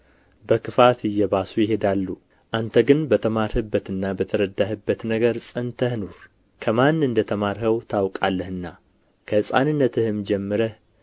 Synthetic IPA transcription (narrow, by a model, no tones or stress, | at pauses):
bəkʰɨfat̪ɨjːɛbasujɪɦe̞d̪alːu | ʔant̪ʰəɡɨnbət̪ʰəmaɾhɨbːət̪ɨnːabət̪ʰəɾəd̪ahɨbːət̪nəɡəɾsʼənt̪ʰəhnoɾ | kʰəmanːɨnd̪ət̪ʰəmaɾhəwt̪ʰawkʼalːəhɨnːa | kʰəsʼa̰nɨnːət̪ʰɨhɨmd͡ʒɛmːɨɾəh